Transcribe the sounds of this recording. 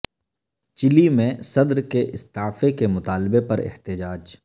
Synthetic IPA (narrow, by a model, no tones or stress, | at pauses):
t͡ʃɪlimẽsɐd̪ɾkeʔɪst̪aːfekemʊt̪aːlbepɐɾɪ̰ht̪ɪd͡ʒaːd͡ʒ